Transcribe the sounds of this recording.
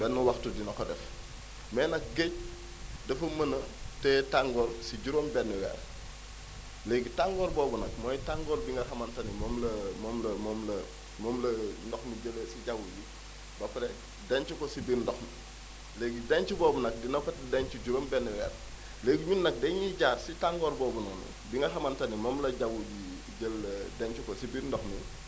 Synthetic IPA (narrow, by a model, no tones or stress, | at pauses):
bɛnːuwaxtudinɐkɔdɛf | mɛːnɐk̚ɡec̚ | dɐfɐmɐnɐtɛtaŋɡɔlsiɟuɾoːmbɛnːɛwɛ̰ːɾ | leɡitaŋɡɔːɾbɔːbunɐk̚mɔjtaŋɡɔːlbiŋɡɐxɐmɐntɐnimɔmlɐmɔːmlɐmɔmlɐ | mɔːmlɐndɔxmiɟələsiɟawuji | bɐpɾɛ | dɛɲt͡ʃukɔsibiɾndɔxmi | leːɡidɛɲt͡ʃubɔːbunɐk̚dinɐkɔtdɛɲt͡ʃuɟuɾombɛnːiwɛ̰ːɾ | leːɡiɲunːɐk̚dɛɲiɟaːɾsitaŋɡɔːɾbɔːbunɐnḭbiŋɡɐxɐmɐntɐnimɔːmlɐɟawubi | ɟəlːɐdɛɲt͡ʃukɔsibiɾndɔxmi